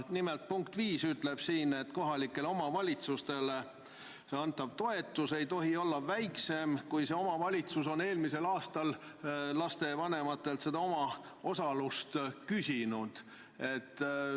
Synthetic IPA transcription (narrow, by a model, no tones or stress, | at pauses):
nimelt̪̚puŋkt̪viːsyt̪ˑle̞b̥siːne̞t̪ːko̞ɦɑlikːˑe̞lo̞mɑvɑlʲit̪sust̪e̞le | ɑnt̪ːˑɑv̥t̪o̞e̞t̪ˑːuse̞jt̪o̞ɦio̞lːɑvæjkse̞mkujse̞o̞mɑvɑlʲit̪suso̞ne̞ːlmise̞lɑːst̪ɑl | lɑst̪e̞vɑne̞mɑt̪ːˑe̞lt̪se̞d̪ɑo̞mɑ | o̞sɑlust̪kysʲinud̪̥ | e̞t̪ːˑ